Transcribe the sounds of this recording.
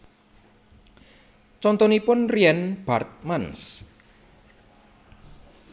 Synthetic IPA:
t͡ʃɔnt̪ɔnipʊnriɛnb̥art̪̚mans

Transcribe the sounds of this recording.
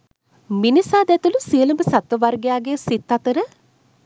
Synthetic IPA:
minisaːd̪ɛt̪ulusiələməsat̪ʋəʋarɡejaːɡesit̪ːat̪əɾə

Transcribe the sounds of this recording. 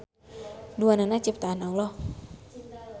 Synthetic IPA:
duananat͡ʃip̚t̪aːnawlɔh

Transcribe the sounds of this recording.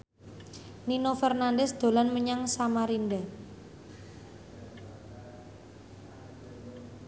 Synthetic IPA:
ninofɛrnandɛsd̪̥o̤lanməɲaŋsamaɾinda

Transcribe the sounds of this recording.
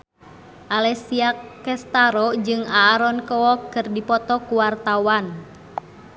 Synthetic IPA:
ʔalɛsiakɛst̪aɾɔd͡ʒɨŋaːɾɔnkɔɔkːɨrdipɔt̪ɔkuwart̪awan

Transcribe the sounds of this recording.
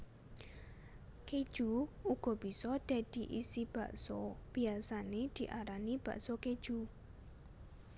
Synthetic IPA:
ked̥ʒ̥uuɡ̥ɔ̤b̥isɔd̪̥a̤d̪̥iʔisib̥aʔsɔb̥iasaned̪̥i̤ʔaɾanib̥ä̤̰ʔsɔked̥ʒ̥u

